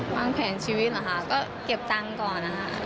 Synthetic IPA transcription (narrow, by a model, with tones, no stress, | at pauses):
waː˧˥ŋpʰɛː˨˩ŋt͡ɕʰiː˧wiː˦˥la˨˩ɦaː˨˩kɔ˥ | ki˧˩p̚t̪a˥ŋkɔː˧na˧ɦa̰ː˧˩